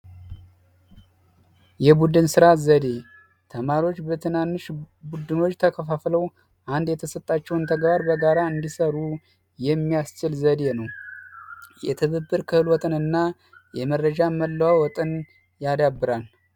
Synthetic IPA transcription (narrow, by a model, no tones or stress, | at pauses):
jɛbud̪ɨnsɨɾazəd̪e̞ | t̪ʰəmaɾio̞t͡ʃːbət̪ʰɨnanːɨʃ | bud̪ɨno̞t͡ʃːt̪ʰəkʰəfafləw | ʔand̪jɛt̪ʰəsət̪ʼːat͡ʃːɛwnt̪ʰəɡbaɾbəɡaɾaɨnd̪isəɾu | jɛmːijast͡ʃɪlzəd̪e̞nəw | jɛt̪ʰɨβəbːɨɾkʰɨhɨlwɔt̪ʼɨnɨnːa | jɛmərːəd͡ʒaməlːəwawɔt̪ʼɨn | jad̪abːɨɾal